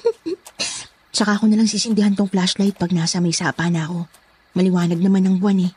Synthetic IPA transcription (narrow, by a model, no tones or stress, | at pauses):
t͡ʃɐkaʔɐko̞nɐlaŋsiːsɪnd̪ɪhant̪oŋplaslajt̪̚pɐɡ̚naːsɐmɐjsaːpanɐɐko̞ | mɐlɪwaːnɐɡ̚nɐmanːɐŋbʊanɛ